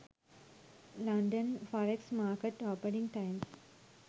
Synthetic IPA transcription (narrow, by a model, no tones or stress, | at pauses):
lãɳɖə̃nfaɾeksmaːɾkeʈɔːpəɾĩŋɡʈãɪms